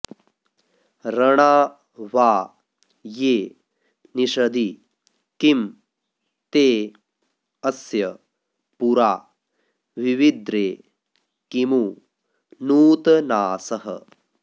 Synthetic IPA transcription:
ɾɐɳaː | ʋaː | jeː | niʃɐd̪i | kim | t̪eː | ɐsjɐ | puɾaː | ʋiʋid̪ɾeː | kimu | nuːt̪ɐnaːsɐɦɐ̰

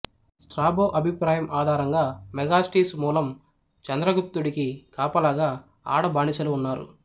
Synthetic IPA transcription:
sʈɾaːboːʔɐbʱipɾaːjɐmʔaːd̪ʱaːɾɐŋɡaːmɛɡaːsʈiːsmuːlɐm | t͡ʃɐnd̪ɾɐɡup̚t̪ːuɽikikaːpɐlaːɡaː | a̰ːɽɐbaːɳit͡ʃɐluːnːaːɾṵ

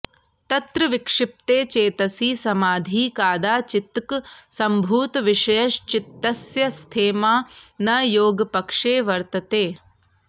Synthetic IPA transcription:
t̪ɐt̪ɾɐʋikʂɪp̚t̪eːt͡ʃeːt̪ɐsiːsɐmaːd̪ʱiːkaːd̪aːt͡ʃit̪ksɐmbʱuːt̪ʋiʂɐjɐʃt͡ʃit̪ːɐsjɐst̪ʰeːmaːnɐjoːɡɐpɐkʂeːʋɐɾt̪ɐt̪eː

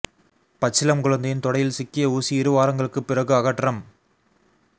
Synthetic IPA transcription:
pɐt͡ʃːɪlɐmkʊɭɐnd̪ɐjɪnt̪ɔɽɐjɪlsɪkːɪjɐuːsiɪɾɯʋaːɾɐŋɡɐɭɯkːɯpːɪrɐɣɯɐɣɐʈːrɐm

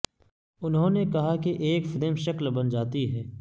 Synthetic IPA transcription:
ʊnɦõnekɐɦakeʔeːkfɪd̪əmʃɐklbɐnd͡ʒaːt̪iɦɛː

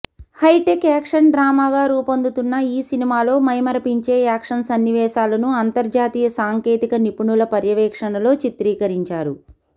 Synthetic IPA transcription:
hɐjʈekaːkʂɐɳɖɾaːmaːɡaːɾuːpond̪ut̪unːɐiːsinimaːlo̞ːmɐjmɐɾɐpiɲt͡ʃe̞ːaːkʂɐnsɐnːiʋɛːʃaːlɐnuɐnt̪ɐɾd͡ʒaːt̪iːjɐsaːŋke̞ːt̪ikɐnipuɳulɐpɐɾjɐʋɛːkʂɐɳɐlo̞ːt͡ʃit̪ɾiːkɐɾiɲt͡ʃaːɾu

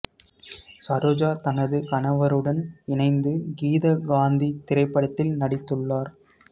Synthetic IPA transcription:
sɐɾoːd͡ʒaːt̪ɐnɐðɯkɐnɐʋɐɾɯɽɐnɪnɐɪnd̪ɯɡiːðɐɡaːnd̪it̪ɪɾɐɪpːɐɽɐt̪ːɪlnɐɽɪt̪ːɯɭːaːɾ

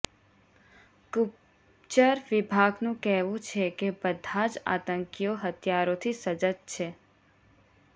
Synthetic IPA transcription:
kup | t͡ʃəɾʋɪbʱaɡnũkɛɦʋũt͡ʃʰekebəd̪ʱad͡ʒa̰t̪əŋkijoɦət̪ʰjaɾot̪ʰisəd͡ʒət̪̚t͡ʃʰe

